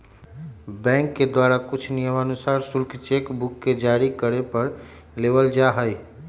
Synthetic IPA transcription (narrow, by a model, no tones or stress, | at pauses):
bɛ̃ːŋkːed̪waːɾakʊt͡ʃʰnijəmənʊsaːɾsʊlkt͡ʃekbʊkːed͡ʒaːɾikəɾepəɾ | leːʋəld͡ʒaɦəi